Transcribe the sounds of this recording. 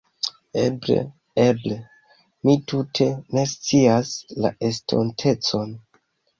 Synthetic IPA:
ḛblḛ | eble | mitutʰe̞ne̞st͡siasla̰e̞stʰo̞̰ntʰe̞t͡so̞n

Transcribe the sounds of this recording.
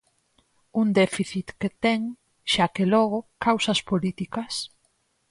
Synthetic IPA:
und̪ɛfiθit̪ket̪ɛŋ | ʃakelɔɣ̞ʊkawsɐspolit̪ikɐs

